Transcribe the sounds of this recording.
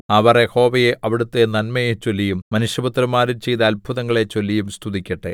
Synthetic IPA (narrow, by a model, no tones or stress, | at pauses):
ɐʋɐreho̞ːʋɐjeʔɐʋiɽut̪ːenɐnmɐjet͡ɕo̞lːijumːɐnuʂjɐbut̪ːɾɐmːaːɾumt͡ɕe̞jt̪ɐːlbʱuðɐŋːɐɭe̞t͡ɕo̞lːijumst̪ʰuðikʲːɐʈːḛ